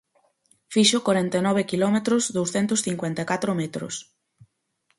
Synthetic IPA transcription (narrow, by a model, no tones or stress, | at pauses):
fiʃokwaɾɛnt̪enɔβ̞ekilɔmet̪ɾozðowsθɛnt̪ʊsθiŋkwent̪ekat̪ɾomet̪ɾo̰s